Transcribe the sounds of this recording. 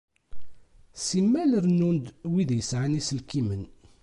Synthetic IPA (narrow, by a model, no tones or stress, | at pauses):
simːæləɾnund̪wiðjəsʕanisəlkimən